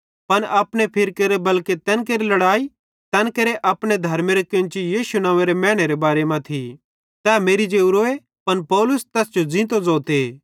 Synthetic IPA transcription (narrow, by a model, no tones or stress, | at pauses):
pɐnɐpɽ̃epʰɪɾkeɾebɐlket̪ɛːnkeɾilɐɽaːi | t̪ɐnkeɾeʔɐpɽ̃ed̪ʱɐɾmeɾekɪ̃nt͡ʃijiːʃunãːʋeɾemɛːɽ̃eɾebaːɾemãt̪ʰi | t̪ɛːmeːɾid͡ʒeːuɾoːe | pɐnpɔːlʊst̪ɛːsd͡ʒod͡zɪ̃ːt̪od͡zɔːt̪e